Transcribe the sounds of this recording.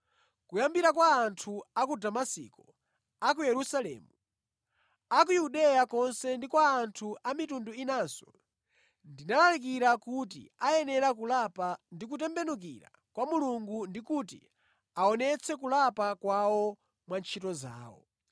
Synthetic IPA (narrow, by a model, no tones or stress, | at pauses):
kujambiɾak̬waːntʰuakudamasḭkɔ | ak̬ujɛɾusalɛ̰ːmu | akujuɗɛjakɔnsɛndikwaːntʰuʔamitunduinaːsɔ | ndinalalik̬iɾakut̬ḭajɛnɛɾakulapandik̬utɛmbɛnuk̬ḭɾa̰ | kwamuluŋɡundikutḭ | aɔnɛt͡sʰɛkulapakwawɔ | mwant͡ʃʰitɔza̰ːwɔ̰